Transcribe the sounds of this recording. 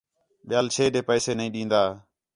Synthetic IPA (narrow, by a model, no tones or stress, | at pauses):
ɓɪjaːlt͡ʃʰeːɗeːpəɛːseːnəĩːɗĩːnd̪aː